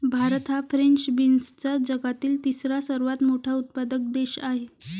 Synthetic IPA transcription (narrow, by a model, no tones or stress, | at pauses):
bʱaɾt̪ɦafɾeɳt͡sbinst͡sad͡ʑəɡat̪iːlt̪isɾasəɾʋat̪moʈʰaut̪̚pad̪ək̚d̪eɕaɦe